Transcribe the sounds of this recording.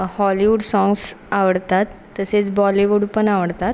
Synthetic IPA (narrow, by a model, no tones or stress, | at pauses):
hɔliʋuɽsɔ̃ŋɡsaʋəɽt̪at̪ːəset͡sbɔliʋuɽpəɳaʋəɽt̪at̪